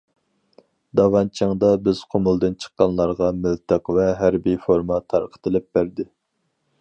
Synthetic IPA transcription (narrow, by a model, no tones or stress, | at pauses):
d̪ɑvɑnt͡ʃʰəŋd̪ɑbɪz̥qʰomulˠd̪ɨnt͡ʃʰə̥qːɑnlˠɑɾʁɑmylt̪ʰəqvɛɦæɾbifoɾmɑt̪ʰɑɾqʰə̥t̪ʰɨlɪp̚b̥æɾd̪ɪ